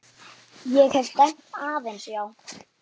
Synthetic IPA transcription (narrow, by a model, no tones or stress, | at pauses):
jɛɣhɛvt̪ɛm̥t̪aːðejnsjaːw